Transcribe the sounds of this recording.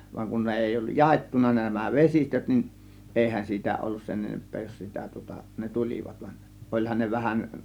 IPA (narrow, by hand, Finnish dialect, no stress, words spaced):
ʋɑŋ kun ne eˑi olːuj jɑetːunɑ næmæ ʋesistøt nin ʔeˑihæn siːtæ olːus sen enempˑeː jos sitæ tŭŏtɑ ne tulʲiʋɑt ʋɑn ʔolʲhɑn ne ʋæhæn